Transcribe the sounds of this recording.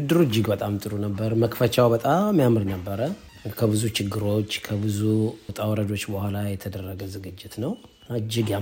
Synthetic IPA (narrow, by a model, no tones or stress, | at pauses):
ɨd̪ːɨɾud͡ʒːɪɡbət̪ʼamt̪ʼɨɾunəbːəɾməkfət͡ʃawbət̪ʼamːjamɨɾnəbːəɾə | kʰəβɨzut͡ʃɪɡːɨɾo̞t͡ʃːkʰəbɨzut̪ʼawɾəd̪o̞t͡ʃːbəhʷalajɛt̪ʰəd̪ərːəɡəzɨɡɨd͡ʒːɪt̪nəw | ad͡ʒːɪɡja